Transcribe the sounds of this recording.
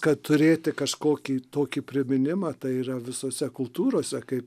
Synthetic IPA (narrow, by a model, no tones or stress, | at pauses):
kɐtt̪ʊɾʲeːt̪ʲɪkɐʃkoːkʲiːt̪oːkʲiːpʲɾʲɪmʲɪnʲɪmɑːt̪ɐɪiːrɐʋʲɪsoːsʲɛkʊlˠt̪uːɾoːsʲɛkɐɪp